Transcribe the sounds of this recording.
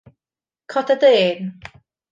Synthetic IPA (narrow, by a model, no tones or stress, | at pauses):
kʰɔtʰadeːn